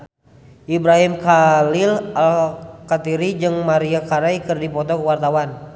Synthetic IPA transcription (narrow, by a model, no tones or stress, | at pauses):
ʔibɾaɦimkalilalkat̪iɾid͡ʒɨŋmaɾiakaɾajkɨrdipɔt̪ɔkəwart̪awan